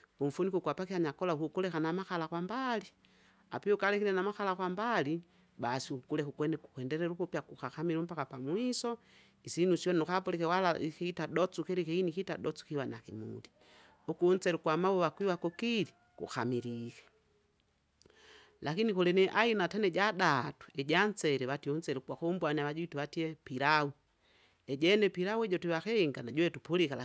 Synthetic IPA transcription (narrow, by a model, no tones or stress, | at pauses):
uɱ̩funikukwapakihaɲakɔlaukukulɛkanamaxalakwambali | a̰piukalɛkiɾɛnamaxalakwambali | basiuukulɛkukwɛnɛkukwɛndɛɾɛɾukupjakuxaxamiɾum̩pakapamwisɔ | isinusiɔnukapɔlɛkɛwalaikitaɗɔt͡sukɛɾikiinikitadɔt͡su̥kiwana̰kimṵli | ukun̩sɛɾukwamawuβakwiwakɔkili | kṵxamiɾikɛ̥ | lakinikɔlɛnɛʔainatanɛɟadatu̥ɛɟant͡sɛɾɛβatiunt͡sɛɾukwakɔmbwaniaβaɟuituβatiɛpiɾau | ɛɟɛnɛpiɾauɛɟɔtiwakɛiŋɡanaɟuwɛtupulikal